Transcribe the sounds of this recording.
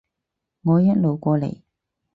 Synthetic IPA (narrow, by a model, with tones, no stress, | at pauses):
ŋɔː˨˧jɐ˥t̚lo˨wkʷɔː˧lḛ˨˩j